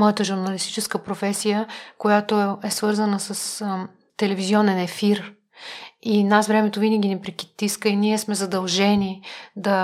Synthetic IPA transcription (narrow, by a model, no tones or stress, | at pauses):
mɔjɛt̪əʒuɾnɐlist̪i̥t͡ʃɛskəpɾofɛsijəkojat̪oɛsvɤɾzənəsɐs | t̪ɛlɛviziɔnɛnɛfiɾ | inasvɾɛmɛt̪ovinəɡʲinɛpɾik̟it̪iskəiniɛsmɛzɐd̪ɐlˠʒɛnid̪ɐ